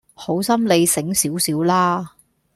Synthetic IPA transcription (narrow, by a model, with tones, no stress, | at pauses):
ho˨˥wsɐ˥mle˨˧jsɪ˨˥ŋsiː˨˥wsiː˨˥wlaː˥